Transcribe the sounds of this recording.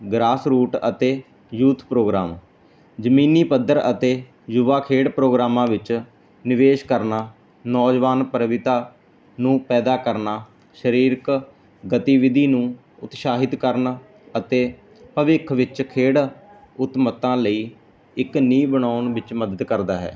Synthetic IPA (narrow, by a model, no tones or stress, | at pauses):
ɡɾaːsɾuːʈət̪eː | juːt̪ʰpɾoːɡɾa̰ːm | d͡ʒəmiːniːpəd̪ːəɾə̰t̪eː | jʊʋaːkʰeːɽpɾoːɡɾaːmãːʋɪt͡ʃ | nɪʋeːʃkəɾnaː | nɔːd͡ʒʋaːnpəɾəʋɪt̪aː | nũːpɛːd̪aːkəɾnaː | ʃəɾiːɾk | ɡət̪iːʋɪd̪iːnũː | ʊt̪ʃaːɦɪt̪kəɾn | ət̪eː | pəʋɪkʰʋɪt͡ʃkʰeːɽ | ʊt̪mət̪ãːləiː | ɪkniːbəɳaːnʋɪt͡ʃməd̪əd̪kəɾd̪aːɦɛ̰ː